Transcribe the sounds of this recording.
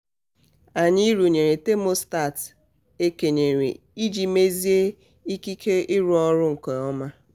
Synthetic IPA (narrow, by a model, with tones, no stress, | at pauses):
a˨ɲɪ˦i˦ɾu˨ɲe˨ɾe˨te˦mo˦sta˦˨t | e˦ke˨ɲe˨ɾḭ˨ | i˦d͡ʒi˨me˦zi˦e˦ | i˦ki˦kʰe˦ɪ˦ɾʊ˦ɔ˦ɾʊ˦ŋ̩˨kɔ˨ɔ˦ma˦